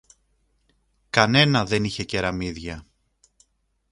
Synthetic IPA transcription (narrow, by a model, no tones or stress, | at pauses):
kɐne̞nɐðe̞niçe̞ce̞ɾɐmiðʝɐ